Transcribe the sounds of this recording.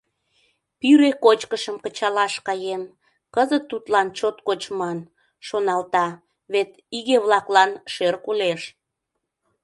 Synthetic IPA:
pyɾekot͡ɕkəʃəmkət͡ɕɑlɑʃkɑjem | kəzət̪ːut̪lɑnt͡ɕot̪kot͡ɕmɑn | ʃonɑlt̪ɑ | βet̪ | iɣeβlɑklɑnʃerkuleʃ

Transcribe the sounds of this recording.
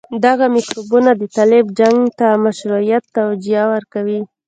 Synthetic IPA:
d̪aɣamɪkɾubunad̪ət̪alɪbd͡ʒaŋɡt̪amaʃɾuijat̪ːawd͡ʒijawəɾkawi

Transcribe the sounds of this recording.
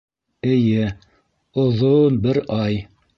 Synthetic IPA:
ɘ̆jɘ | ŏðonbɘɾɑj

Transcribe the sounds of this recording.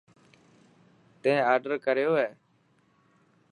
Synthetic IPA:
t̪ẽːaːɾɖəɾkəɾjoːɦeː

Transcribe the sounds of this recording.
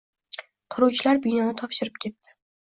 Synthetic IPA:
qʰʊɾuwt͡ʃʰɪlaɾbɪnɒnɪt̪ʰɒpʃɪɾɪp̚kʲʰe̞t̪ːɪ̥

